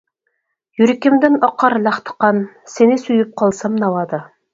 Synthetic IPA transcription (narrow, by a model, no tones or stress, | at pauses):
jyɾɪkʲɪmd̪ɪnɑqʰːɑɾlɑχt̪ʰə̥qɑn | senɪsyjyp̚qʰɑlˠsɑmnɑwɑd̪ɑ